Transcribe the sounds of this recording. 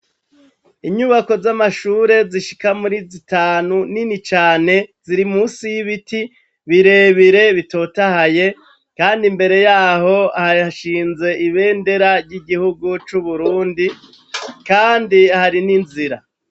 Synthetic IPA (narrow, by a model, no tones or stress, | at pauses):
iɲuβako̞zamaʃuːɾe̞ziʃi̥kamuɾizitaːnuninit͡ʃaːne̞z̥iɾimuːsijiβiti | βiɾe̞ːβiɾe̞βito̞ːtahaje̞ | kaːndimbe̞ɾe̞jaːho̞ahaaʃiːnze̞ʔiβe̞ːnde̞ɾaɾɟiɡihuɡut͡ʃuβuɾuːndi | kaːndihaɾininziɾa